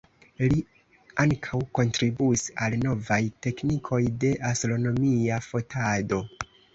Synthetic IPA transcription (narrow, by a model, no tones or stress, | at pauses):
li | aŋkʰawko̞ntɾibuisalno̞vajte̞knikʰo̞jde̞ʔastɾo̞no̞miafo̞tado̞